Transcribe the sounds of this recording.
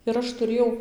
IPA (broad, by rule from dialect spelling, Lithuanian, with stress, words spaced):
ɪr ˈɐʃ tʊˈrʲeːjɛʊ